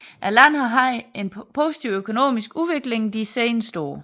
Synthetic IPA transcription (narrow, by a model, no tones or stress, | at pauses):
ʔælæn̰hɑɦɑɪe̝npʰo̝si̥t͡sʰiʊøkʰo̝no̝̰ːmisɡ̥uʋe̝ɡ̥le̝ŋd̥isḛɪnsd̥o̝̰ː